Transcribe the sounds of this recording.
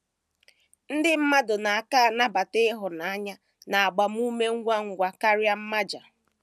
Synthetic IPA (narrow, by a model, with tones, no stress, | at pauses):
n̩˦dɪ˦m̩˦ma˦dʊ˨na˨a˨ka˦a˨na˦ba˨tɪ˦ɦʊ˨na˨a˦ɲa˦ | na˨a˨ɡ͡ba˨m̩˦u˦me˦ŋ̩˦ɡʷa˦ŋ̩˨˦ɡʷa˨ka˦ɾja˦m̩˦ma˦d͡ʒa̰˨